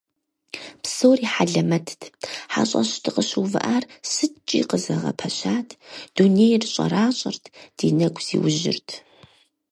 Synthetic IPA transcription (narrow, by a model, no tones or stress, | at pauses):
psowriːħaɮɐmɐtʰtʰħa̰ɕʼɐ̰ɕtʰɨqəɕuːvɨ̰ʔaːrsɨtʰt͡ʃʼḭːqəzɐʁɐ̰pʰɐɕaːtʰd̥unejrɨɕʼɐ̰ɾaːɕʼɐrtʰd̥iːnɐɡʷz̥ḭːwʊʑɪ̰rtʰ